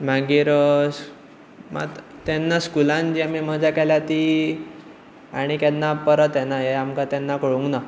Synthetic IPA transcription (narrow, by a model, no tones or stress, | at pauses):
m̤aɡiːɾ | ma̰ | t̪ɛnːaskulãnd͡ʑiamim̤əd͡ʑʱakɛljat̪i | a̰ɽ̃ikɛnːapəɾət̪jɛnaɦeamkat̪ɛnːakəɭũŋkna